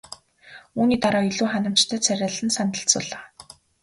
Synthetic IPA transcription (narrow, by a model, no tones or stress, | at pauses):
uːniːt̪aɾɔːiɮuːχanə̆m̥t͡ɕt̪ʰæːt͡sʰæɾʲaːɮɘ̆nsant̪ə̆ɬt͡sʊ̰ːɮaː